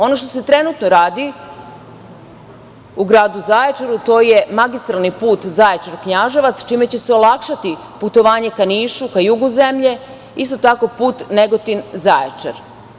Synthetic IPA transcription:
o̞no̞ʃt̪o̞se̞t̪ɾe̞nut̪no̞ɾaːd̪i | uɡɾaːd̪uzajet͡ʃaɾut̪o̞ːje̞maɡist̪ɾalˠnipuːt̪zajet͡ʃaɾkɲaʒeʋat̪st͡ʃime̞t͡ɕe̞seo̞lˠakʃat̪i | put̪o̞ʋaːɲe̞kaniːʃukajuɡuze̞mʎe̞ | ist̪o̞t̪ako̞puːt̪neɡo̞t̪inzaet͡ʃa̰ɾ

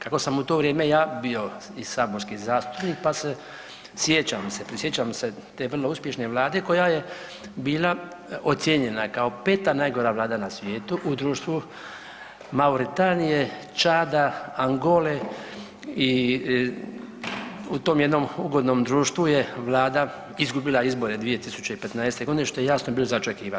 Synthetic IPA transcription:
kako̞samut̪o̞ʋɾjeːme̞jaːbio̞ | isaːboɾskizaːst̪u̥pnik̚pase | sjet͡ɕamsepɾisjet͡ɕamse | t̪e̞ʋrlˠo̞uspje̞ʃne̞ʋlˠaːd̪e̞ko̞jaje | biːla | ot̪sjeɲe̞nakao̞pe̞ːt̪anaːjɡo̞ɾaʋlaːd̪anasʋje̞ːt̪uʔud̪ɾuːʃt̪ʋu | mauɾit̪anije̞ | t͡ʃaːd̪aaŋɡo̞le | i | ut̪o̞ːmjed̪no̞muɡo̞d̪no̞ːmd̪ɾuːʃt̪ʋujeʋlaːd̪a | izɡubilˠaizbo̞ɾe̞d̪ʋije̞t̪isut͡ɕeipe̞t̪naest̪e̞ɡo̞d̪ineʃt̪ojejaːsnobiːlozaot͡ʃekiːʋan

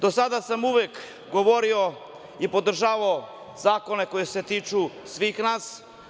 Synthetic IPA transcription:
d̪o̞sad̪asamuʋek | ɡo̞ʋo̞ɾio | ipo̞d̪r̩ʒaːʋao | zaːko̞ne̞ko̞jese̞t̪iːt͡ʃusʋiːxnaːs

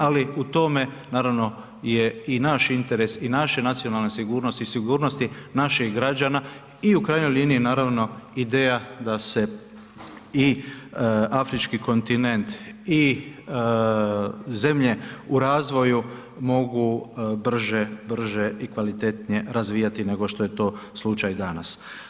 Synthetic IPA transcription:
aliut̪o̞me̞naːɾaʋno̞ | je̞inaʃint̪e̞ɾe̞sinaʃe̞nat̪sio̞nalˠne̞siɡuːɾno̞st̪isiɡuːɾnost̪inaʃixɡɾad͡ʒana | iukɾaːjɲo̞jlʲiːniːnaːɾaʋno̞id̪e̞ːjad̪ase̞ | i | afɾit͡ʃkiko̞nt̪ine̞nt̪i | ze̞mʎe̞uɾaːzʋo̞ju | mo̞ɡubr̩ʒebr̩ʒeikʋalit̪e̞t̪nije̞ɾazʋiːjat̪ine̞ɡo̞ʃt̪oje̞t̪o̞ːslˠut͡ʃajd̪ana̰s

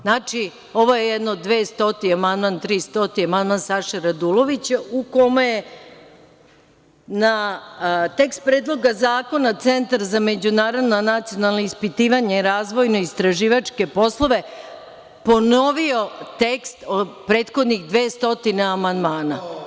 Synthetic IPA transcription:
nat͡ʃi | o̞ʋojejed̪nod̪ʋeːst̪o̞t̪iamand̪mant̪ɾiːst̪o̞t̪iamand̪mansaʃaɾad̪ulo̞ʋit͡ɕauko̞meje | na | t̪e̞kst̪̚pɾeːd̪lˠo̞ɡazaːko̞nat̪se̞nt̪aɾzame̞d͡ʑunaːɾo̞d̪nanat̪sijo̞nalˠnoispit̪iːʋaɲeiɾaːzʋo̞jno̞ist̪ɾaʒiːʋat͡ʂke̞po̞slˠo̞ʋe̞ | po̞no̞ʋio̞t̪ekst̪opɾe̞ːt̪xo̞d̪niɣd̪ʋe̞ːst̪o̞t̪ineamand̪maːna

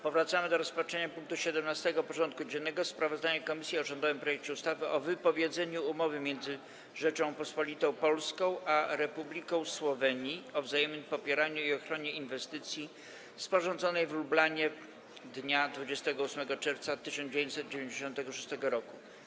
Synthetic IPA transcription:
pɔvɾat̪samɘd̪ɔɾɔspat͡ʂɛɲapuŋk̚t̪uɕɛd̪ɛmnast̪ɛɡɔpɔʐɔnt̪̚kud͡ʑɛnːɛɡɔspɾavɔzd̪aɲɛkɔmʲisʲjiɔʐɔnd̪ɔvɘmpɾɔjɛk̚t͡ɕɛust̪avɘʔɔvɘpɔvʲjed̪zɛɲuumɔvɘmʲjɛnd̪zɘ | ʐɛt͡ʂɔ̃w̃pɔspɔlʲit̪ɔ̃w̃pɔlskɔ̃w̃ʔaɾɛpublʲikɔ̃w̃swɔvɛɲiɔvzajɛmnɘmpɔpʲjɛɾaɲuiɔxɾɔɲɛinvɛst̪ɘt̪sʲji | spɔʐɔ̃nd̪zɔnɛjvɾublaɲɛ | d̪ɲad̪vud͡ʑɛst̪ɛɡɔusmɛɡɔt͡ʂɛɾft̪sat̪ːɘɕɔnd͡ʑevjẽɲt͡ɕ̪ʲsɛt̪̚d͡ʑevʲeɲd͡ʑeɕɔ̃nt̪ɛɡɔʂu̥st̪ɛɡɔɾɔku

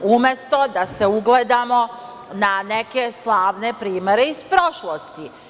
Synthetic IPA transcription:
umje̞st̪o̞d̪ase̞uɡle̞d̪amo̞ | naneke̞slˠaːʋne̞pɾiːme̞ɾe̞ispɾoʃlˠost̪i

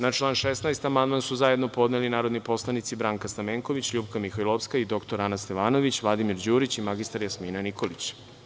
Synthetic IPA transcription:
nat͡ʃlˠaːnʃesnajst̪amand̪mansuzaje̞d̪no̞po̞d̪nelinaːɾod̪nipo̞slˠanit̪sibɾaːŋkast̪ameːŋko̞ʋit͡ɕʎuːbkamixojlˠofskaid̪o̞kt̪o̞ɾanast̪eʋaːno̞ʋit͡ɕʋlˠad̪imiɾd͡ʑuːɾit͡ɕimaɡist̪aɾjasmiːnaniko̞lit͡ɕ

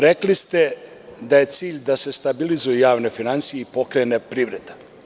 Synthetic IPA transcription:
ɾeklist̪e̞ | d̪aje̞t̪siːʎd̪ase̞st̪abilizujujaːʋne̞finansijeipo̞kɾeːnepɾiʋɾed̪a

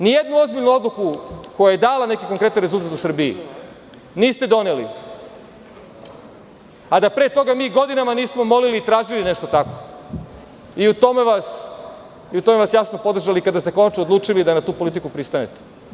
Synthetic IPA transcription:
nijed̪nuo̞zbiʎnuo̞d̪lˠukuko̞jaje̞d̪aːlane̞kikoŋkɾe̞t̪anɾezulˠt̪at̪usr̩biḭ | niːst̪ed̪o̞nelḭ | ad̪apɾeːt̪o̞ɡamiːɡo̞d̪inamaniːsmo̞mo̞liliːt̪ɾaːʒilineʃt̪o̞t̪ako̥ | iut̪o̞meʋas | iut̪o̞meʋasjasno̞po̞d̪r̩ʒalikad̪ast̪e̞ko̞nat͡ʃnood̪luːt͡ʃilid̪anat̪uːpolit̪ikupɾist̪anḛt̪e̥

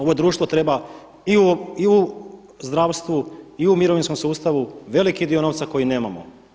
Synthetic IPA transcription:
o̞ʋo̞jd̪ɾuːʃt̪ʋo̞t̪ɾe̞ba | iuiu | zd̪ɾaʋst̪ʋuiumiɾoʋinsko̞msuːst̪aʋuʋe̞likid̪io̞no̞ʋt̪sako̞jine̞ːmamo̰

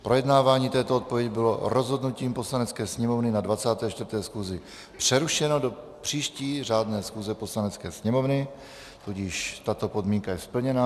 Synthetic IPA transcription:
pɾo̞jɛdnaːvaːɲiːt̪ɛːt̪oot̪̚povjɛɟɪbɪlo̞ɾo̞zɦo̞dnuciːmposlanɛt͡skɛːsɲɛmo̞vnɪnadvat͡saːt̪ɛːt͡ʃt̪vɾt̪ɛːsxuzɪ | pr̝̥ɛɾuʃɛno̞do̞ | pr̝̥iːʃciːraːdnɛːsxuːzɛpo̞slanɛt͡skɛːsɲɛmo̞vnɪ | t̪uɟiʃt̪at̪o̞po̞dmiːŋkajɛspl̩ɲɛna

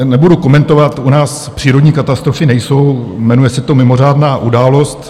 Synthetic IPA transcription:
nɛbuduko̞mɛnt̪o̞vat̪unaːs | pr̥iːɾodɲiːkat̪ast̪ɾofɪnɛjso̞wmɛnujɛsɪt̪o̞mɪmo̞r̝aːdnaːʔudaːlo̞st̪

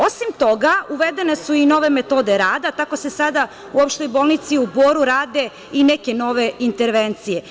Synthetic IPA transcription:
osimt̪o̞ɡauʋed̪e̞ne̞suino̞ʋe̞met̪o̞d̪e̞ɾaːd̪at̪ako̞se̞sad̪a | uopʃt̪o̞jboːlˠnit̪siuboːɾuɾaːd̪e̞ | ineke̞no̞ʋe̞int̪eɾʋent̪sije

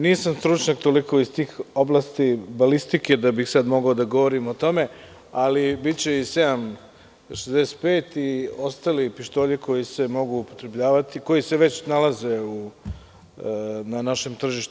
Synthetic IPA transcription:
niːsamst̪ɾut͡ʃɲakt̪o̞liko̞ist̪iːxoblˠast̪ibalist̪ike̞d̪abixsad̪mo̞ɡaod̪aɡo̞ʋo̞ɾimo̞t̪o̞me̞ | alibit̪t͡ɕeised̪am | ʃezd̪ese̥t̪̚peːt̪io̞st̪alipiʃt̪o̞ːʎiko̞jise̞mo̞ɡuːpo̞t̪ɾe̞bʎaːʋat̪iko̞jise̞ʋe̞t͡ɕnalaze̞u | nanaʃe̞mt̪r̩ʒiʃt̪u

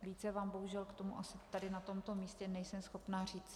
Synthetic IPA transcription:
viːt͡sɛvaːmbo̞ɦuʒɛlkt̪o̞muʔasɪt̪adɪnat̪o̞mt̪o̞miːscɛnɛjsɛmsxo̞pnaːriːt͡s

